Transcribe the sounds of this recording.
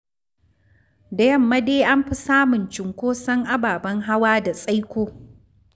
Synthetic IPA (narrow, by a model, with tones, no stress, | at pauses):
da˨jɐ˦˨mːɐ˦deː˦ʔa˦mɸi˦saː˦mʊ˨nt͡ʃɪ˨ŋkʷoː˦sɐ˦ŋʔa˦baː˨bɐ˦ŋɦa˦waː˦da˨sʼa˦jkʷoː˦